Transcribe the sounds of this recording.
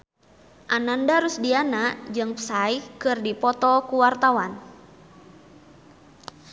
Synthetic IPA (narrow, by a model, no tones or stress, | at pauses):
ʔanandaɾusdianaʔd͡ʒɨŋpə̥saikɨrdipɔt̪ɔkuwart̪awan